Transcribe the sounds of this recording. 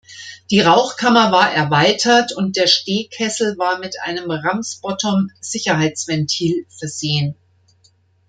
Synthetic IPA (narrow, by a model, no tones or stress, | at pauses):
d̥iːʁaʊxkʰamɐvaːɐʔɛɐvaɪtʰɐtʊnt̚d̥eːɐʃteːkʰɛsl̩vaːɐmɪtʔa̰ɪnəmʁamsb̥ɔtʰɔmz̥ɪçɐɦaɪt͡sv̥ɛntʰiːlfɛɐzeːən